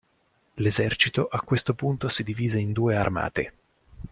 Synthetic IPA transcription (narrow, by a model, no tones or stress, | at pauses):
lezɛrt͡ʃit̪oʔakːwest̪opunt̪osid̪iviːzeind̪uːearma̰ːt̪ḛ